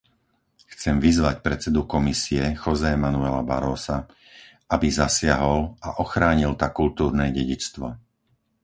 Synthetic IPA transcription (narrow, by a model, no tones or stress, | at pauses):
xt͡sɛmʋizʋacpɾɛt͡sɛd̪ukɔmisiɛxɔzɛmanuɛla̰ba̰ɾɔːsa | abizasɪaɦɔlaʔɔxɾaːɲilt̪akult̪uːɾnɛːɟɛɟit͡st̪ʋɔ̰